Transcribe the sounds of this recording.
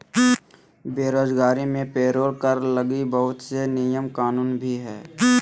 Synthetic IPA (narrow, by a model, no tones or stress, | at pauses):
beːɾoːd͡ʒɡaːɾimẽpeːɾoːɾkəɾləɡibəɦʊt̪senɪjəmkaːnuːnbʱiɦɛː